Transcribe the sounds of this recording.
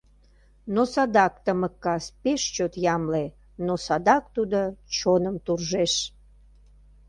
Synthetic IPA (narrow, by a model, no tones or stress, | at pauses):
nosɑd̪ɑkt̪əməkːɑspeʃt͡ɕot̪jɑmle | nosɑd̪ɑk̚t̪ud̪ot͡ɕonəmt̪urʒeʃ